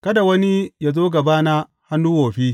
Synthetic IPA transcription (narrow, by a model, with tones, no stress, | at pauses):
kɐ˦da˨wɐ˦ni˦ja˨zoː˦ɡa˨baː˦na˦ | ha˦nːuː˦woː˨ɸi˦